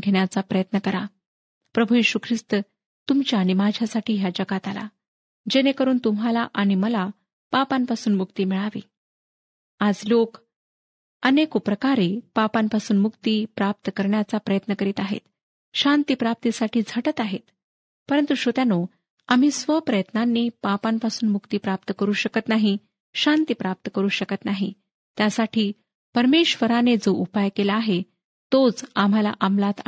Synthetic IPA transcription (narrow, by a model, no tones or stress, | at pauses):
ɡʱeɳjat͡sapɾəjət̪nəkəɾa | pɾəbʱujeɕukʰɾist̪ə | t̪umt͡ɕjaːɽ̃imad͡ʑʱjasaʈʰiːɦjad͡ʑəɡat̪ala̰ | d͡ʑenekəɾuːnt̪umɦalaʔaɽ̃iməla | papampasuːnmukt̪iːmiɭaʋḭː | ad͡zlok | ənekupɾəkaɾiːpapampasuːnmukt̪iːpɾap̚t̪əkəɾɳjat͡sapɾəjət̪nəkəɾiːt̪aɦḛt̪ | ɕãnt̪ipɾap̚t̪isaʈiːd͡zʱəʈət̪aɦet̪ | pəɾənt̪uɕot̪jano | am̤iːsʋəpɾəjət̪nanːiːpapampasuːnmukt̪iːpɾap̚t̪əkəɾuːɕəkət̪naɦi | ɕant̪ipɾap̚t̪əkəɾuːɕəkət̪naɦḭ | t̪jasaʈʰiː | pəɾmeɕʋəɾaned͡zoʔupajkelaːɦe | t̪ot͡sam̤ala̰ʔamlat̪a